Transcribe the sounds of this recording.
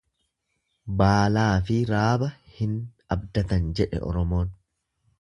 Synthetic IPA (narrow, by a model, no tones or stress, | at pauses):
baːlaːfɪɾaːbɐhɪn | ɐbd̪ɐt̪ɐnd͡ʒɛᶑɛ̰ʔɔ̰ɾɔmo̞ːn